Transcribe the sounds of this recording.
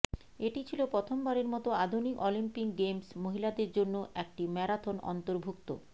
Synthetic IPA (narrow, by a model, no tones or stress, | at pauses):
eʈit͡ɕʰilopɾot̪ʰombaɾeɾmɔt̪oad̪ʱunikɔlimpikɡemsmoɦilad̪eɾd͡ʑonːoʔɛk̚ʈimɛɾat̪ʰonɔ̰nt̪oɾbʱukt̪o̰